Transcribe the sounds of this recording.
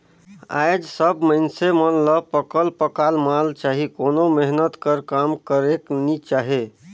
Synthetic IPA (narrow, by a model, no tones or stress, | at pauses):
a̰jd͡ʒsəbməɪnsemənləpəkəlpəkalmalt͡ʃaɦikonomeɦnət̪kəɾkamkəɾeknit͡ʃaɦe